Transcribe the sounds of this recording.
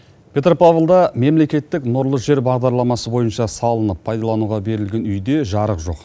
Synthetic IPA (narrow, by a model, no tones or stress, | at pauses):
pʰʲe̞t̪rpavlˠd̪ɑme̞mle̞kʲe̞t̪ːɪknoɾlˠəʒe̞ɾbɑʁd̪ɑɾlˠɑmɑsəbo̞jənʃɑsɑlˠənəpʰːɑjd̪ɑlˠɑnuʁɑbe̞ɾɪlɡʲe̞nʏjd̪e̞ʒɑɾəqʒo̞q